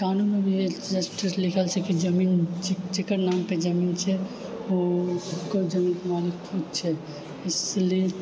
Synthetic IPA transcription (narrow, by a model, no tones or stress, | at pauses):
kanunebʱied͡ʒəspʈəslɪkʰəlt͡ʃʰekid͡ʒəmiːnd͡ʒd͡ʒekəɾnaːmped͡ʒəmiːnt͡ʃʰɛ | oʊkod͡ʒəmiːnkemalikkʰud̪̚t͡ʃʰɛ | ɪslie